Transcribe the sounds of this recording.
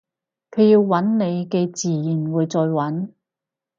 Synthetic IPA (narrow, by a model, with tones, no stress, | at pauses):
kʰɵ˨˧ɥji˧wːɐ˨˥nne˨˧jkɛ˧t͡siː˨jiː˨˩nwuː˨˧jt͡sɔː˧jwɐ˨˥n